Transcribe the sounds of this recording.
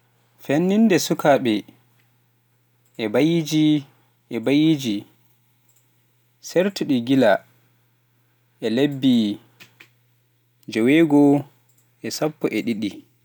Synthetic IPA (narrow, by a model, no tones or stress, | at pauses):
fenːindɛsukʰaɓɛ | ɛbajid͡ʒi | ɛbajid͡ʒi | sɛɾtuɗiɡila | ʔɛlebːi | d͡ʒɔweɡɔ | ʔɛsapːɔʔɛɗiɗi